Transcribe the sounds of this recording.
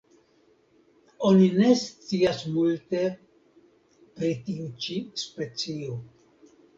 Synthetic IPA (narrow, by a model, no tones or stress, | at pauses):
o̞nine̞st͡siasmulte̞ | pɾitiut͡ʃispe̞t͡sio